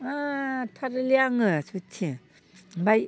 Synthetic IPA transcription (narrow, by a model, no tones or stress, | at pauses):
atʰaɾliaŋɯsutʰi | baj